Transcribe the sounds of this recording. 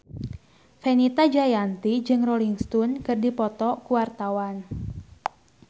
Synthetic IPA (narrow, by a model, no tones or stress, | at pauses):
fenit̪ad͡ʒajant̪id͡ʒɨŋroliŋst̪unkɨrdipɔt̪ɔkuwart̪awan